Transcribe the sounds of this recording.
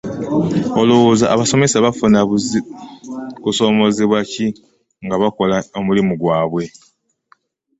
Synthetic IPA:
o̞luzaʔːβaso̞me̞saβafunaz | kuso̞ːmo̞ziβwaci | ŋɡaβako̞laomulimuɡwaːβwe̞

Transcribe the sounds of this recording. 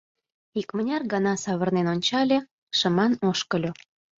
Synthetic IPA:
ikmənʲɑrɡɑnɑsɑβərnenonʲt͡ɕɑlʲe | ʃəmɑnoʃkə̆lʲo

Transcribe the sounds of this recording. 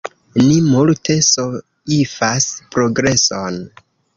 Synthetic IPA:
nimultʰe̞so | ifaspɾo̞ɡɾe̞son

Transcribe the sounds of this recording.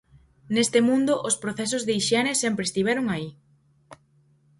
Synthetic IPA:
nest̪emũnd̪ʊʔospɾoθɛsozðeiʃjɛnesɛmpɾest̪iβɛɾoŋai

